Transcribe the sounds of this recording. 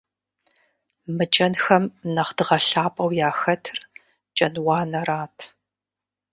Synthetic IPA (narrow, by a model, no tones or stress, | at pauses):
mɨt͡ʃʼɐnxɐmnɐχdɨʁɐɬaːpʼɐwjaːxɐtʰɨr | t͡ʃʼɐnwɑːnɐraːtʰ